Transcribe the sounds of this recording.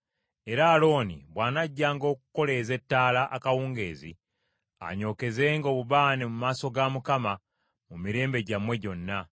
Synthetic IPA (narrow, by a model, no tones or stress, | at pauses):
e̞ɾaːlo̞ːnḭβwaːnaɟːaːŋɡo̞ːku̥ko̞le̞ze̞tːaːlaʔakawuːŋɡe̞ːzḭ | a̰ɲo̞ːke̞zeːŋɡo̞ːβuβaːnemumaːso̞ɡamukama | mumiɾe̞ːmbe̞ɟamwe̞ɟo̞nːa